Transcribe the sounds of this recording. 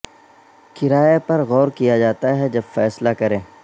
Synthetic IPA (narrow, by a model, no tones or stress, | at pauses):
kɪɾaːjepɐɾɣɔːɾkijad͡ʒaːt̪aɦɛd͡ʒɐbfɛːslakɐɾẽː